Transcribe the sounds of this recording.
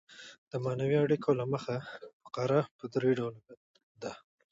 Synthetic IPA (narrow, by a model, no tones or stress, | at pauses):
d̪̥əmanawiaɽikʰolaməxafḁqɑɾapəd̪ɾeɖawlob | d̪a